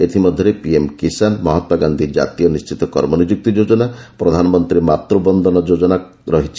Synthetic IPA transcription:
et̪ʰimɔd̪ʱjɔɾepiemkisanmɔɦɔt̪waɡand̪ʱid͡ʒa̰t̪ijɔnist͡ʃit̪ɔkɔɾmɔnid͡ʒuk̚t̪id͡ʒod͡ʒɔnapɾɔd̪ʱanɔmɔnt̪ɾimat̪ɾubɔnd̪ʱɔnɔd͡ʒod͡ʒɔna | ɾɔɦit͡ʃʰi̥

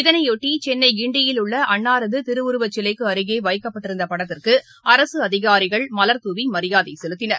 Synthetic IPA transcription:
ɪðɐnɐɪjoʈːit͡ʃɛnːɐɪɡɪɳɖɪjɪlʊɭːɐʔɐɳːaːɾɐðɯt̪ɪɾɯʋʊɾɯʋɐt͡ʃːɪlɐɪkːɯɐɾɯɣeːʋɐɪkːɐpːɐʈːɪɾɯnd̪ɐpɐɽɐt̪ːɪrkɯ | ɐɾɐsɯɐðɪɣaːɾɪɣɐɭmɐlɐɾt̪uʋimɐɾɪjaːðɐɪsɛlɯt̪ːɪnɐɾ

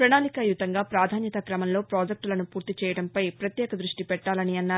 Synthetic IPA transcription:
pɾɐɳaːlikɐjut̪ɐŋɡaːpɾaːd̪ʱaːnjɐt̪ɐkɾɐmɐmlo̞ːpɾoːd͡ʒek̚ʈlɐnupuːɾt̪it͡ʃɛːjɐɽɐmpɐjpɾɐt̪jɛːkɐd̪ɾuʂʈipɛʈːaːlɐniɐnːaːɾ

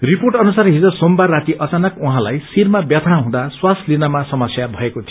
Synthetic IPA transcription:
riporʈʌnusarɦid͡zʌsombaːat̪iʔʌt͡sanʌkuɦãlajsirmabjʌt̪ʰaɦũd̪aswaslinamasʌmʌsjabʱʌekot̪ʰij

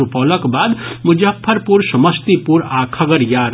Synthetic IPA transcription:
upɔləkbaːd̪mud͡ʒapʰːəɾpuɾsəməst̪ipuɾakʰɐɡəɾjaɾ

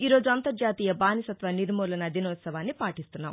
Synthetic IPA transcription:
iːɾo̞ːd͡ʒuɐnt̪ɐɾd͡ʒaːt̪iːjɐbaːnisɐt̪ʋɐniɾmuːlɐnɐd̪inɐʋːt̪sɐʋaːnːipaːʈist̪unːa̰ːm

